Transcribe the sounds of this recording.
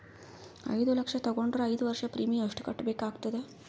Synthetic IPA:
ə̰jd̪uləkʂat̪əɡoɳɖɾəjd̪ʋəɾʂapɾimiəʂʈkəʈbekaɡt̪əd̪e

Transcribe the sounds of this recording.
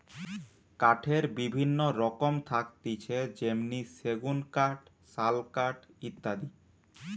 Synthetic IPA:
kaʈʰeɾbibʱinːoɾɔkomt̪ʰakt̪it͡ɕʰed͡ʑemniseɡunkaʈ | salkaʈ | it̪ːad̪i

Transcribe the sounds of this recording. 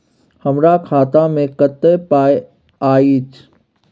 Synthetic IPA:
həmɾakʰaːt̪amẽkət̪ːepaːj | aːit̪ʰ

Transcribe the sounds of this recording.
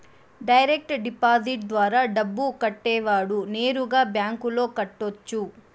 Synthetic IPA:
ɖɐjɾek̚ʈɖipaːd͡ʒiʈ̚d̪ʋaːɾaːɖɐbːukɐʈːɛːʋaːɽune̞ːɾuɡaːbjaːŋkulo̞ːkɐʈːot͡ʃːu

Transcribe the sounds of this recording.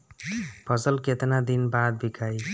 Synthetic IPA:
bʰʱʌzʌlket̪nad̪inbad̪̚bʱikʰaj

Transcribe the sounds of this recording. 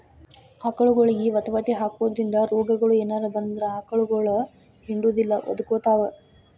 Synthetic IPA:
aːkɐɭuɡoɭɐɡiʋɐt̪ɐʋɐt̪eɦaːkʋoːd̪ɐɾind̪ɐɾɔːɡɐɡɐɭueːnaːɾɐbɐnd̪ɾɐaːkɐɭuɡoɭɐ | hiɳɖuːd̪ilːɐʋɐ̰d̪ukoːt̪aːʋɐ

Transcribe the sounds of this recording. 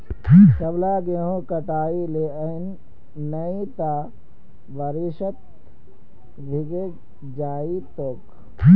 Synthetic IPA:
kɐblaːɡeːɦõkɐʈaːileənː | ɐit̪a | ʋɐɾiʃət̪̚ | bʱiɡe | d͡ʒaːit̪oːk

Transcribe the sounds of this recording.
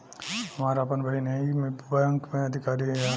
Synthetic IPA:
hɐmaːɾapənbɐɽinɐimbɐjə̃ŋkmẽɐd̪ʱɪkaːɾi

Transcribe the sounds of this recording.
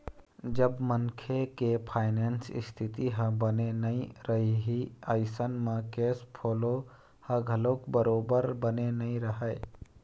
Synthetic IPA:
d͡ʒəbmənkʰekepʰaːɪneːnsɪ̰st̪ʰɪt̪iɦə̃bənenəĩɾəɦiɦiəɪsənmekeːspʰoːlo | hə̃ɡʱəloːkbəɾoːbəɾbənenəĩɾəɦə

